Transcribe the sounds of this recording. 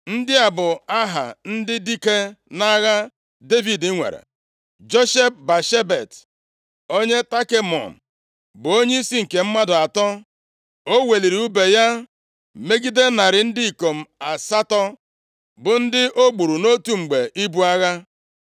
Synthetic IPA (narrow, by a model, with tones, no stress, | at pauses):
n̩˦dɪ˦a˨bʊ˨a˦ɦa̰˨n̩˦dɪ˦di˦ke˦na˦ɣa˦ | de˦vi˨di˦ŋʷḛ˨ɾḛ˨ | d͡ʒo˦ʃe˦p̚ba˨ʃe˦be˨t | o˦ɲe˦ta˦ke˦mɔ̰˨m̩˨ | bʊ˨o˦ɲe˦i˦si˦ŋ̩˨ke˨m̩˦ma˦dʊ˨a˨tɔ˦ | o˦we˨li˨ɾi˨u˦be˨ja˦ | me˦ɡi˦de˦na˨ɾɪ˨n̩˦dɪ˦i˨ko˨m̩˨a˨sa˦tɔ˦ | bʊ˨n̩˦dɪ˦ʔo˦ɡ͡bu˨ɾu˨no˦tu˦ŋ͡m̩˨ɡ͡be˨ʔi˦bu˦a˦ɣa˦